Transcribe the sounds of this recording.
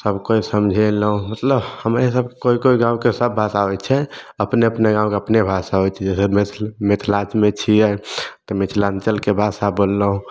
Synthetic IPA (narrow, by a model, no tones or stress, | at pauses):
səbkoisəmd͡ʒʱeləɦũmət̪ləbhəmɾesəbkoikoiɡãũkesəbːʱasaɦot͡ʃʰɛ | əpneəpneɡãw̃keəpnebʱasaɦot͡ʃʰɛd͡ʒesəmemet̪ʰlat͡ʃmet͡ʃʰiɛt̪ɔmet͡ʃʰlãnt͡ʃəlkebʱasabolːəɦũ